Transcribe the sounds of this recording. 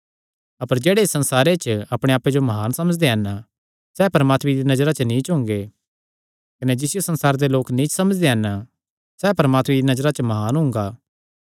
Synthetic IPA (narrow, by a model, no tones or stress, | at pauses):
ɐpəɾd͡ʒeːɽesɐ̃nsaːɾet͡ʃɐpɽ̃eaːped͡ʒomɐɦaːnsɐməd͡ʒd̪eɦɐna | sɛːpɐɾmaːt̪midinɐd͡ʒɾat͡ʃənĩt͡ʃɦʊ̃ŋɡe | kɐned͡ʒɪsɪjosɐ̃nsaːɾd̪eloːknĩt͡ʃsɐməd͡ʒd̪eɦɐn | sɛːpɐɾmaːt̪miinɐd͡ʒɾat͡ʃmɐɦaːnɦʊ̃ŋɡaː